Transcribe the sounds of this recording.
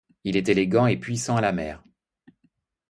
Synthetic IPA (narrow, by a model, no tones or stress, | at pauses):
ilɛt̪eleɡɑ̃epɥisɑ̃alamɛ̰ːʁ